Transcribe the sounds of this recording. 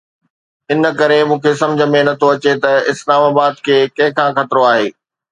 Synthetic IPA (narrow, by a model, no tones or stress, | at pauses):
ɪn̆kɐɾemũːkʰesɐ̃md͡ʑʱəmẽnɐt̪ʰoɐt͡ɕet̪ɐɪslaːmaːbaːd̪kʰeːkɐ̃ɦɪ̃kʰãːxɐt̪ɾoaːɦeː